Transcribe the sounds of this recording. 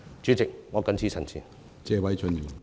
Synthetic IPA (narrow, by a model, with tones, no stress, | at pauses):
t͡ʃyː˨˥t͡sɪ˨k̚ŋɔː˨˧kɐ˨˥nt͡sʰiː˧sʰɐ˨˩nsʰḭː˨n | t͡sɛː˨˧wɐ˨˥jt͡sʰɵ˨˧njiː˨˩n